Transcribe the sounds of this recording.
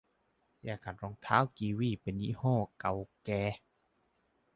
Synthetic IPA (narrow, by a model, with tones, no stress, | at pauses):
jaː˧˩ka˨˩t̪̚ɾɔː˧˨ŋt̪ʰaː˦˧˥wkiː˧wiː˧˥˨pe˨nːḭ˧˥hɔ̃ː˧˥˩ka˨˩wkɛː˧